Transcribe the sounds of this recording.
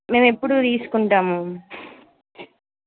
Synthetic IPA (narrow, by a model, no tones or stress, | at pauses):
me̞ːmepːuɽut̪iːsu̥kuɳʈaːmu